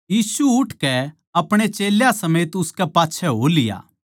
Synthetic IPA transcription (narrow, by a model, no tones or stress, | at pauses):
jiːsuʊʈʰkɛ | ɐpɽ̃et͡ʃeːljasɐmeːt̪ʊskɛpaːtːʃʰɛɦo̰lɪja̰ː